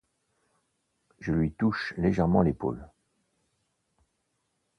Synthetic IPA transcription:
ʒəlɥit̪uʃleʒɛʁmɑ̃lepo̰l

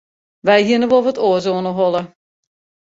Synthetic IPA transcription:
ʋɛjɦiɪənəʋovətoːzoːnəɦɔlˠə

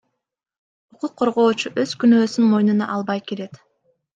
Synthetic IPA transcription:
uquqʰːo̞ɾʁo̞ːt͡ʃuʔø̞z̥kynø̞ːsynmo̞jnunɑ̰ʔɑlˠbɑjkeɾe̞t̪

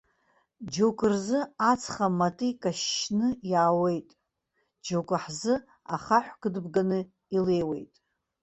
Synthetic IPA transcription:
d͡ʒokʷʼɨrzɨat͡sʰχamatʼɨikʼaʃːnɨjaːwe̞jtʼ | d͡ʒokʷʼaħzɨ | a̰χaħʷɡɨdbɡanɨ | ilejwe̞̰jtʼ

